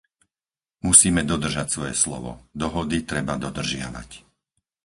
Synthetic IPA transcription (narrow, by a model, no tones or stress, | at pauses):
musiːmɛd̪ɔd̪r̩ʒacsʋɔjɛslɔ̰ʋɔ̰d̪ɔɦɔd̪it̪ɾɛbad̪ɔd̪r̩ʒɪa̰ʋa̰c